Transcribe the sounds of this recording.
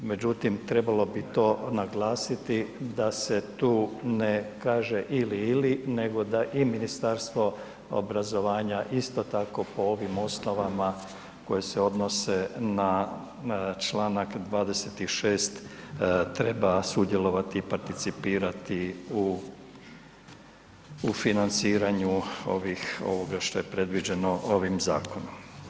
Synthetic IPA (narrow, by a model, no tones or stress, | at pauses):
me̞d͡ʑut̪imt̪ɾe̞balo̞bit̪o̞ːnaɡlaːsit̪id̪ase̞t̪uːnekaːʒe̞ʔiliːline̞ɡo̞d̪aʔiminist̪aɾst̪ʋo̞ | o̰bɾazo̞ʋaːɲaʔist̪o̞t̪ako̞po̞o̞ʋimo̞sno̞ʋama | ko̞jese̞o̞d̪no̞se̞na | t͡ʃlaːnakd̪ʋaːd̪e̞set̪iʃe̞ːst̪ | t̪ɾe̞basud̪je̞lo̞ʋat̪iːpaɾt̪it̪sipiːɾat̪iu | finant̪siːɾaɲuo̰ʋixo̞̰ʋo̞ɡaʃt̪o̞je̞pɾe̞d̪ʋid͡ʑe̞no̞ʔo̞ʋimzaːko̞nom